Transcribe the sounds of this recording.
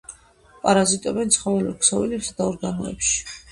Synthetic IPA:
pʼaɾazit̪ʼɔbɛnt̪sʰχɔvɛlɛɾksɔvɛlɛpsad̪aɔɾɡanɔɛ̰pʃi̥

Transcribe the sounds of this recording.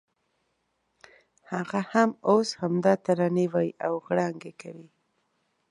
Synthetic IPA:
haɣahamoshamd̪ɑt̪aɾaniwajʔawɣɽɑŋɡekawi

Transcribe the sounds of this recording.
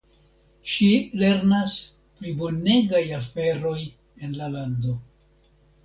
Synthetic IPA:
ʃile̞ɾnas | pɾibo̞ne̞ɡajafe̞ɾo̞j | e̞nlalando̞

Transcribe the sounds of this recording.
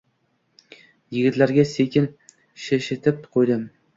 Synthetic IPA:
jɪɡʲɪt̪laɾɡʲasekʲɪn | ʃeʃɪt̪ʰɪp̚qʰojd̪ɪm

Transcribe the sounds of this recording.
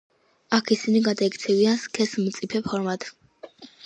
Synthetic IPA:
akʰisiniɡad̪aɛkt̪sʰɛvianskʰɛsmt̪sʼipʰɛpʰɔɾmat̪ʰʼ

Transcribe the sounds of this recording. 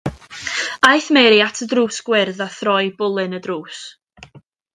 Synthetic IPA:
ajθmɛɾjatʰədruːsɡ̥wɪrðaθrɔjbʊlˠɨnədruːs

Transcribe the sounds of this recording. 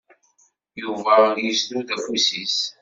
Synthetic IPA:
juvæjəsluðæfusis

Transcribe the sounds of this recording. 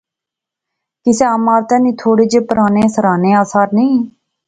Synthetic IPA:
kɪseaːmaːɾt̪ɛ̃ːnĩːt̪ʰoːɽeːd͡ʒeːpəɾaːnẽːsəɾaːnẽːaːsaːɾnĩː

